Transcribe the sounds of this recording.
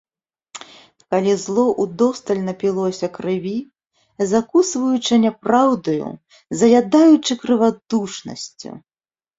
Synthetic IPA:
kalʲizlˠɔʔud̪ɔst̪ɐlʲnɐpʲilˠɔsʲɐkɾɨvʲi | zakusvɐjut͡ʂɐnʲapɾawd̪ɐjṵ | zɐjad̪ajut͡ʂɨkɾɨvad̪uʂnɐ̰sʲt͡sʲṵ

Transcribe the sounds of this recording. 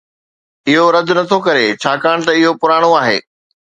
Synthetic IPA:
ɪɦoɾɐd̪nɐt̪ʰokɐɾet͡ɕʰaːkaːɽ̃t̪ɐɪɦopʊɾaːɽ̃oaːɦḛː

